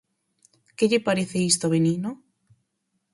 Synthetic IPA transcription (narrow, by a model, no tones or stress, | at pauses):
keʎɪpaɾeθeist̪oβenino